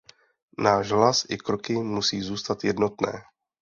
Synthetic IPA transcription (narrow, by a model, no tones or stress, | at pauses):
naːʃɦlasʔɪkɾokɪmusiːzuːst̪at̪jɛdno̞t̪nɛ̰ː